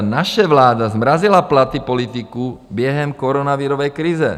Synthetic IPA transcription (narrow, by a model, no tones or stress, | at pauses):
naʃɛʋlaːd̪azmɾazilaplat̪ipɔlit̪ikubjɛɦɛmkɔɾɔnaʋiɾɔʋɛjkɾiːzɛ̰